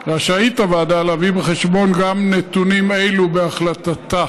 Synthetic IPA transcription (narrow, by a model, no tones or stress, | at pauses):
ʁaʃait̪avaad̪aːlavibeχe̞ʃbo̞nɡamnet̪unimejlubeaχlatat̪a